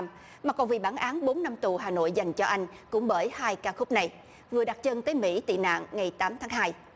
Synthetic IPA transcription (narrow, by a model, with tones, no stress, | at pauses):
maː˨˩kɔ˨˩nvi˨˩ɓaː˧˩nʔaː˨˦nɓo˨˦nːa˧mt̪u˨˩ɦaː˨˩no̰˧˨jza˨˩jŋ̟t͡ɕɔ˧ʔa˧jŋ̟kʊ̰˧˥ŋ͡mɓəː˧˩jhaː˧jkaː˧xʊ˦˥k͡p̚na˨˩j | vɨ˨˩əɗa˨˩t͡ɕə˧nt̪əː˨˦jmḭ˧˥t̪ḭ˧˨na̰ː˧˨nːŋa˨˩jt̪aː˨˦mt̪ʰaː˨˦ŋɦaː˧j